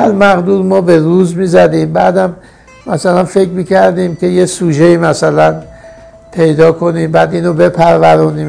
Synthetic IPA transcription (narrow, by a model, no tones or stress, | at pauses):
hæɾmæɣd̪uːɾmɒːbe̞ɾuːzmiːzæd̪iːmbæːd̪æmː | æsælænfe̞kmiːkʰæɾd̪iːmcʰe̞je̞suːʒe̞iːmæsælæn | pʰe̞jd̪ɒːkʰo̞niːmbæːd̪iːnobe̞pʰæɾvæɾuːniːm